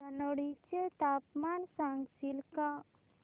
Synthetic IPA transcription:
ɐnoɽit͡ʃet̪aːpmansãŋɡsilka

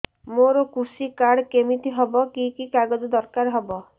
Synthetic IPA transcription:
moɾokusikaɽkemit̪ʰiɦɔbɔkikikaɡɔd͡ʒɔd̪ɔɾkaɾɦɔbɔ

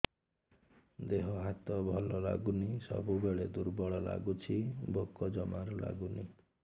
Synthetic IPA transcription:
d̪eɦɔɦat̪ɔbʱɔlɔla̰ɡunisɔ̰bubeɭed̪uɾbɔɭɔla̰ɡut͡ʃʰibʱokːɔd͡ʒɔmaɾɔla̰ɡuni

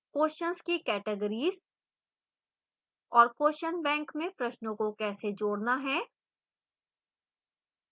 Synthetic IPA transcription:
koːʃənzkikɛːʈəɡəɾiːz | ɔːɾkoːʃənbɛ̃ːŋkmẽpɾɐʃnõkokɛːsed͡ʒoːɽnaɦɛː

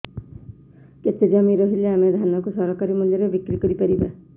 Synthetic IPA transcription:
ket̪ed͡ʒamiɾɔɦileamed̪ʱanɔkusɔɾɔkaɾimɔd̪ʱjɔɾebikɾikɔɾipaɾiba

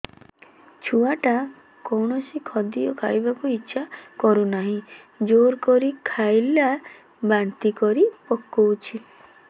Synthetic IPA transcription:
t͡ʃʰuaʈa | kɔwɳɔsikʰɔd̪ijɔkʰa̰jbakuitːʃʰakɔɾunaɦĩ | d͡ʒoɾkɔɾikʰajla | bant̪ikɔɾipɔkːɔwt͡ʃʰi

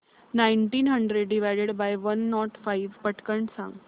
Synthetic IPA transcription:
naiɳʈiːnɦəɳɖɾeɖːiʋajɽeɽbajʋənːɔʈfaiʋpəʈkəɳɖsã̰ŋɡ

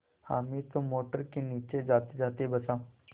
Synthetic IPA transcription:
ha̰ːmit̪omoːʈəɾkeniːt͡ʃed͡ʒaːt̪ed͡ʒaːt̪eɛbɐsãː

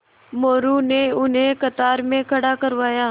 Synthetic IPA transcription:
moːɾuːnẽʊnɦẽkət̪aːɾmẽkʰəɽaːkəɾʋaːjaː

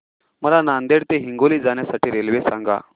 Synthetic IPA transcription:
məlanand̪eɽt̪eɦiŋɡoliːd͡zaɳ̃jasaʈiːɾelʋesãŋɡa̰

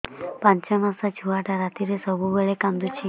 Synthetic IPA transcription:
pãɲt͡ʃəmãsad͡ʒʱuaʈaɾat̪iɾesəbuʋəɭekãmd̪ut͡ʃʰi

